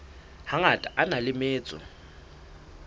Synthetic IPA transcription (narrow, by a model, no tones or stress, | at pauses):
haŋatʼaʔanalɪmeːt͡sʼɔ̰